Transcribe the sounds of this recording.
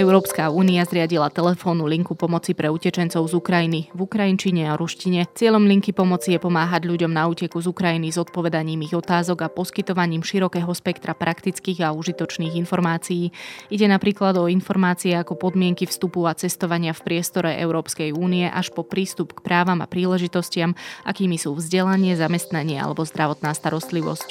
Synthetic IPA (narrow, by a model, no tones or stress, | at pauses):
ɛʊɾɔːpskauːniazɾɪaɟilat̪ɛlɛfɔːnːuliŋkupɔmɔt͡sipɾɛucɛt͡ʃɛnt͡sɔʊzukɾajinivukɾajint͡ʃiɲɛaɾuʃciɲɛt͡sɪɛʎɔmʎiŋkipɔmɔt͡sijɛpɔmaːɦaɟʎuɟɔmnauːcɛkuzukɾajinizɔt̪̚pɔʋɛd̪aɲiːmiɣɔt̪aːzɔɡapɔskit̪ɔʋaɲiːmʃiɾɔkɛːɦɔspɛkt̪ɾʔapɾakt̪it͡skiːɣauʒit̪ɔt͡ʃniːɣinfɔɾmaːt͡sijiːiɟɛnapɾiːklad̪ɔinfɔɾmaːt͡siɛakɔpɔd̪mɪɛŋkifst̪upuat͡sɛst̪ɔʋaɲɪafpɾɪɛst̪ɔɾɛʔɛ̰ʊɾɔːpskɛjuːniɛʔaʃpɔpɾiːst̪upkpɾaːʋama̰pɾiːlɛʒit̪ɔscɪamʔa̰kiːmisuːvzɟɛlaɲɪɛzamɛst̪naɲɪɛa̰lɛbɔzd̪ɾaʋɔt̪naːst̪aɾɔst̪liʋɔ̰sc